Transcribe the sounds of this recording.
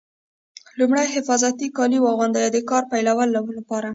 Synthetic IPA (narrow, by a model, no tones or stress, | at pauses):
lumɽajhɪfɑzat̪ikɑliwɑɣʊnd̪ajɑd̪əkɑɾpajlawəlːawulapɑɾa